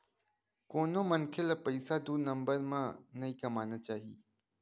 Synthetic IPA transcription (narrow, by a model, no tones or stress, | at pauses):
koːnõːmɐnkʰelɐpɐisad̪uːnɐ̃mbəɾmãːnɐĩːkɐmaːnət͡ɕaːɦiː